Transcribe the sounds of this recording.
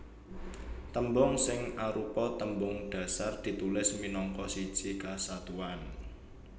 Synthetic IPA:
t̪əmbɔŋsɪŋaɾupɔt̪əmbʊŋɖ̥ä̤sard̪̥i̤t̪ulɪsminɔŋkɔsi̥ʒ̥ikasat̪uan

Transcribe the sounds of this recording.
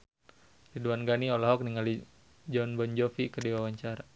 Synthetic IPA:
riduanɡaniɔlaɦɔk̚niŋali | d͡ʒɔnbɔnd͡ʒɔfikədiwawaɲt͡ʃaɾa

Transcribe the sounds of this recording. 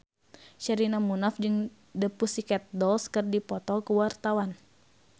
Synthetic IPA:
ʃəɾinamunafd͡ʒɨŋ | dəpusikɛt̪̚dɔlskɨrdipɔt̪ɔkəwart̪awan

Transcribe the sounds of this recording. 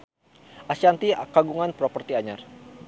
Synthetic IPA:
ʔasiant̪ikaɡuŋanpɾɔpərt̪iaɲar

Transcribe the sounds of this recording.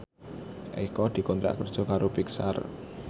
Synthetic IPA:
ʔḛkɔd̪̥i̤kɔnt̪ɾa̰ʔkərd̥ʒ̥ɔ̤kaɾobiksa̰r

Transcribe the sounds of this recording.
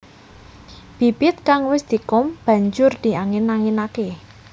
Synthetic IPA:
b̥i̤b̥ɪt̪̚kaŋwɪsd̪̥i̤kʊmb̥ä̤ɲd͡ʒʊrd̪̥i̤aŋɪnaŋinake

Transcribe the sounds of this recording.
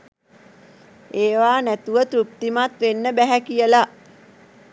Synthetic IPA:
eːʋaːnæt̪uʋət̪ɾup̚t̪imat̪ʋenːəbæɦækijəla

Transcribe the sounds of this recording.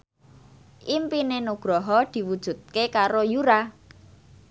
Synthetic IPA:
ʔimpinenuɡ̥ɾɔɦɔd̪̥i̤wud̥ʒ̥ṳt̪̚kekaɾojuɾa

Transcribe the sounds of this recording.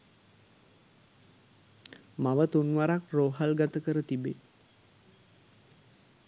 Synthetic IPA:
maʋət̪unʋaɾak̚roːɦalɡat̪əkəɾət̪ibe

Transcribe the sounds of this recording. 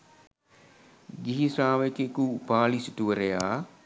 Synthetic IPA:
ɡiɦisaːʋekekupaːlisi̥tuʋəɾejaː

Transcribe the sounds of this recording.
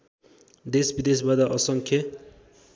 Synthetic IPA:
d̪esbid̪es̬bad̪aʔʌsʌŋkʰjʌ

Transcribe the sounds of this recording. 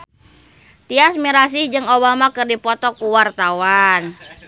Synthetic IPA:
t̪iasmiɾas̬ihd͡ʒɨŋobamakɨrdipɔt̪ɔkuwart̪awan

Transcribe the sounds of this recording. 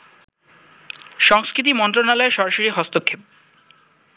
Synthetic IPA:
ʃɔŋskɾit̪imɔnt̪̬ɾonalɔeʃɔɾaʃoɾiɦɔst̪okʰːep̚

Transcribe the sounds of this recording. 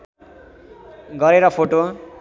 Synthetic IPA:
ɡʌɾeɾʌpʰoʈo

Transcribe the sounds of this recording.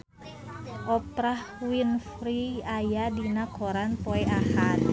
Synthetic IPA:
ʔɔpɾahwinfɾiajadinakʰoɾanpɔɛʔahat̪

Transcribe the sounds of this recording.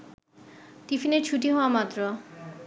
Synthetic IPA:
ʈifineɾt͡ɕʰuʈ̬iɦɔoamat̪ːɾo

